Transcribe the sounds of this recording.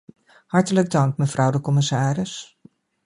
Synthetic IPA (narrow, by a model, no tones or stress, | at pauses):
hɑɹtələɡ̚dɑŋk̚məvrʌwdəkɔmɪsaːrɪs